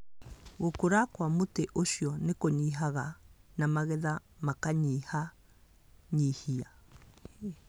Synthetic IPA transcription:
ɣokoɾakwamoteʔoʃjɔnekoɲiɦaɣanamaɣɛðamakaɲiha | ɲihia

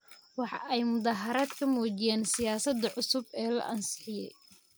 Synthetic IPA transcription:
wɑħɑ̰ʔɛjmʊðaːɦɐɾaːd̪kʰɐmɔːt͡ʃɪjaːnsɪjaːsɐd̪ɐʕʊsʊbɛːlɐ̰ʔɐnsɪ̥ħɪjɛ̰j

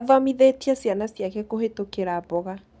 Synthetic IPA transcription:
vamiðetiasjanasjakɛkoɦetokeɾabɔɣa

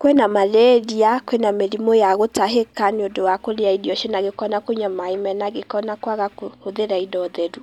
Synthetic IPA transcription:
kwɛnamalɛɾiakwɛnameɾimojaɣotaɦekaneondowakoɾeaidiɔʃenaɣekɔnakoɲamaimɛnaɣekɔnakwaɣakohoðeɾaidɔðɛɾu

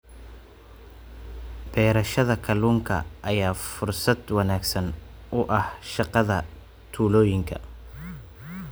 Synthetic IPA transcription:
b̥ɛːɾɐʃɐðɐkʰɐluːŋkʰɐ̰ʔɐjaːfʊrsɐd̪wɑnaːɡsɐnʔʊʔɐhʃɑqɑðɐ | t̪ʰuːlɔːjɪŋkʰɐ̰

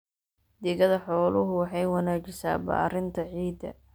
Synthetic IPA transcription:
d̪ɪɣɐðɐħɔːlʊɦʊwɑħɑjwɑnaːt͡ʃɪsa̰ːba̰ːɾɪnt̪ʰɐʕiːd̪ɐ̰

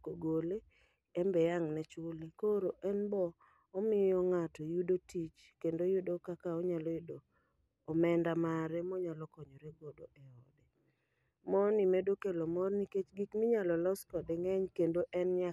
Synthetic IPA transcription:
koɡole | ɛmbɛjaŋnɛt͡ʃʊlikoɾoʔɛnbɔː | mɪjɔŋatɔjudotit͡ʃ | kendojʊdokakaɔɲalɔjodoː | mɛndamaɾɛmɔɲalɔkɔɲoɾeɡɔdoʔɛɔdɛ | mɔnimɛdokelomɔrniket͡ʃɡikmɪɲalɔlɔskɔdɛŋɛɲkendoʔɛnɲa

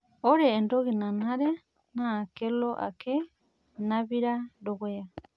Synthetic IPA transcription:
oɾeːndoɡinanhaɾe | nakelloʔa̰kʰe | naβiɾaɾoɡea

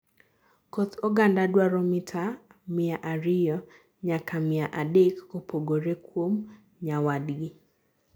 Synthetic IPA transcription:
kot̪ʰoɡandadwaɾɔmɪtʰamɪaʔaɾɪjɔ | ɲakamɪaʔadekopoɡoɾekwom | ɲawadɡi

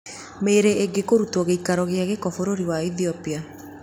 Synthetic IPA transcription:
meɾeːɡekoɾutɔɣeikaɾɔɣeaɣekɔfoɾoɾiwaiθiɔpia

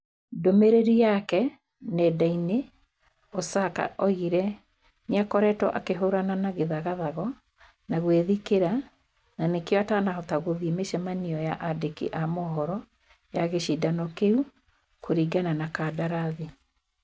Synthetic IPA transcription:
domeɾeɾijakɛ | nɛdaine | ɔsaka̰ʔɔiɾɛ | neakɔɾɛtwɔʔa̰keɦoɾananaɣeðaɣaðaɣɔ | naɣweðikeɾa | nanekewatanaɔtaɣoðimeʃɛmaniɔjaʔadekḭʔamɔɦɔɾɔ | jaɣeʃidanɔkeu | kʰoɾiɡananakadaɾaði

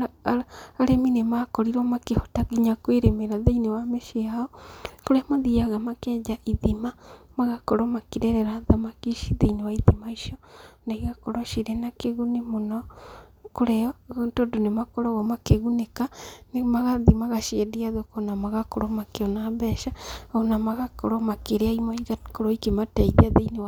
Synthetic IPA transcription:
aɾeminemakɔɾiɾɔmakehɔtaɣiɲakweɾemeɾaðeinewameʃiaɔkoɾɛmaðiaɣamakɛːɲd͡ʒaʔiðimamaɣakoɾomakiɾɛɾɛɾaðamakiʃiðeinewaiðimaiʃiɔnaiɣakoɾoʃiɾenakeɣunemonɔ | koɾeɔotodonemakoɾɔɣɔmakeɣunekanemaɣaðimaɣaʃiɛdiaðokonamaɣakoɾomakeɔnaβɛʃaonamaɣakoɾɔmakeɾeaimaiɣakoɾoikemataiðeaðeinew

